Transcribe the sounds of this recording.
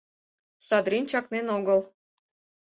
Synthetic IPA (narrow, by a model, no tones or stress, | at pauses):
ʃɑd̪ɾint͡ɕɑknenoɡəl